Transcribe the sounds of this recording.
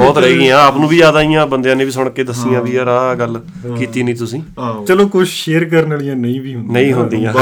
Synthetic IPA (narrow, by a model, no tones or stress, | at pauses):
bɔːt̪ɾəeːɡĩːãːaːpnũːbiːd͡ʒaːd̪aːijãːbənd̪ejãːnẽːbiːs̬ʊɳ̃kːeːd̪əsijãːʋiːəɾaːɡəl | kiːt̪iːnĩːt̪ʊsĩːt͡ʃəloːkʊt͡ʃʃeːɾkəɾnəlijãːnəĩːbiːɦʊndnəĩːɦʊ̃ːnd̪iːãː